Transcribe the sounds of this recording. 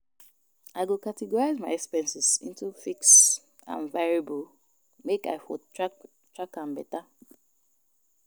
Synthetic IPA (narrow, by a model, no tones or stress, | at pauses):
aɪɡokatɛɡɔɹaɪzmaɪɛkspɛ̃nsɪsḭ̃ntufiks | ã̰nvaɹibəl | meka̰ɪfɔt | tɹakãnbɛta